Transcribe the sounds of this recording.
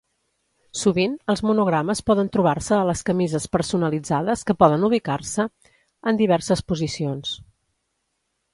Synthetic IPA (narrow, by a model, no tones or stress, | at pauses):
suβinəlˠzmunuɣɾaməspɔðənt̪ɾuβ̞arsəːləskəmizəspəɾsunəlid͡zaðəskəpɔðənuβ̞ikaɾsə | ənd̪iβ̞ɛɾsəspuzisions